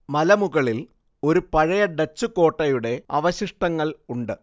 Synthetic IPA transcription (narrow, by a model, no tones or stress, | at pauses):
mɐlɐmuɣɐɭil | o̞ɾupɐɻɐjɐɖɐt͡ɕːuko̞ːʈːɐjuɽe̞ɐʋɐɕiʂʈɐŋːɐɭuɳɖɨ